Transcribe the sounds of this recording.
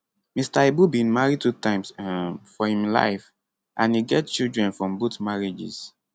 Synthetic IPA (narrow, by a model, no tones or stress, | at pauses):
mistaebubĩnmaɹitutãɪ̃msfɔhĩmla̰ɪf | ʔãnhiɡɛtt͡ʃildɹɛ̃nfɹɔ̃mbotmaɹid͡ʒḭs